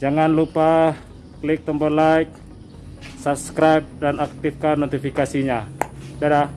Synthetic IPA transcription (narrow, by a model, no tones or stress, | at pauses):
d͡ʒaŋanlupa | klɪk̚t̪ɔmbɔlajk̚ | sap̚skɾajp̚danak̚t̪ifkanːot̪ifikasiɲadada